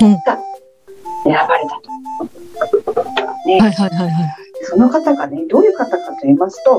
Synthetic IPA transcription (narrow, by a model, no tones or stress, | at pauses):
t̪a | eɾabaɾe̞t̪ḁt̪o̥ | ot̪ot̪aɡaneajɦaɦajɦaj̪eso̞no̞kat̪aɡane̞d̪o̞ːjɯ̟ːkat̪akat̪ːo̞imasɨ̥t̪o̞